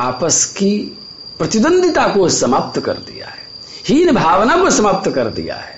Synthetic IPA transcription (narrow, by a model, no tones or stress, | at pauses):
aːpəski | pɾɐt̪ib̪ə̃nd̪ʱɪt̪akosɐmaːp̚t̪kɐ̰ɾd̪ḭja̰ɦɛ | hinebʱaːʋnakosɐmaːp̚t̪kɐɾd̪ḭja̰ɦɛ